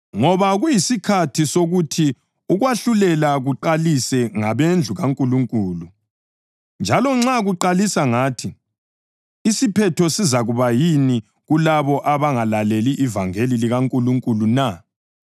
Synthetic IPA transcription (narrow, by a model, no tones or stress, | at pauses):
ŋɔβaɣujisikʰatʰisoɣutʰi | uɣwaɬulɛlaɣuǃalisɛŋaβend͡ɮʱuɣaŋkʼuluŋkʼuːlu | nd͡ʒʱalɔŋ͡ǁaɣuǃalisaŋaːtʰi | sipʰɛtʰɔsizaɣuβajini | ɣulaβɔʔaβaŋalaleliʔːvaŋeliliɣaŋkʼuluŋkʼuluna